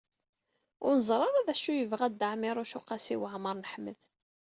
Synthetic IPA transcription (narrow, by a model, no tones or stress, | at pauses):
ʊɾnzˤɾˤɑɾˤɑðæʃujəvʁæd̪aʕmɪɾˤʊʃʊqasiwəʕməɾˤnəħməð